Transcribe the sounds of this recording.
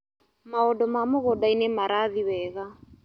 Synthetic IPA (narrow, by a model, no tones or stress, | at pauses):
maɔdɔmamoɣɔdainemaɾaðiwɛɣa